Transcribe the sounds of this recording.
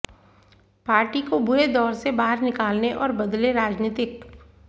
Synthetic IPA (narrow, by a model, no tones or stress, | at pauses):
paːɾʈikobʊɾed̪ɔːɾsebaːɦəɾnɪkaːlneʔɔːɾbɐd̪leɾaːd͡ʒnɪːt̪ɪk